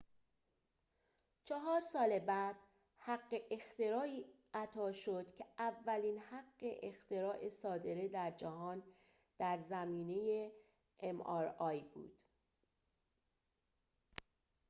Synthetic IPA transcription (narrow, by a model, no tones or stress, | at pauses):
t͡ʃʰɒɦɒːɾsɒːlebæːd̪̥ | hæɢːeʔext̪e̞ɾɒːiː | ʔæt̪ʰɒːʃod̪̥cʰeævːæliːnhæɢːe̞̰ʔext̪e̞ɾɒːʔesɒːd̪e̞ɾe̞d̪æɾd͡ʒæɦɒːn | d̪̥æɾzæmiːne̞je | emɒɾɒːjbṵːd̪̥